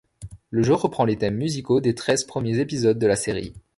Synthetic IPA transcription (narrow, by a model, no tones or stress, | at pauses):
ləʒoʁəpχɑ̃let̪ɛmːyzikod̪et̪χɛzpχəmjezepizɔd̪̚ːəlaseʁḭ